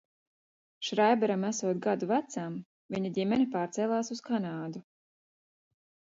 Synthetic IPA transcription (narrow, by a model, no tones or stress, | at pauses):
ʃɾajbɛɾamæsuɔt̪̚ɡad̪uvæt̪sam | viɲad̪ʲimɛnipaːɾt̪sɛːlˠaːsuskanaːd̪u